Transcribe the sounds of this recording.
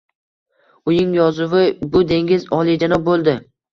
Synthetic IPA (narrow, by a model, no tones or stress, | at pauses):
ʊjɪŋjɒzʊwɪbʊd̪e̞ŋɡʲɪzɒlˠid͡ʒanɒbolˠd̪ɪ